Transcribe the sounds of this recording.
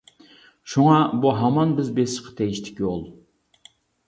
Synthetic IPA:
ʃuŋɑbuɦɑmɑnbɪzbesɪʃqʰɑ̥t̪ʰɛjiʃt̪ʰɪ̥kʲjolˠ

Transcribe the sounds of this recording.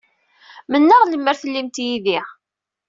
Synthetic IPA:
mənːəʁləmːəɾθəlːimt̪jiðiʁ

